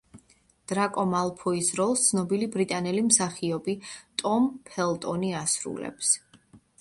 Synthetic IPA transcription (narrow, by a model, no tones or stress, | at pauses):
d̪̥ɾakʼɔmalˠpʰɔisɾɔlˠst̪sʰnɔbilibɾit̪ʼanɛlimsaχiɔbit̪ʼɔmpʰɛlˠt̪ʼɔniasɾṵlɛ̰ps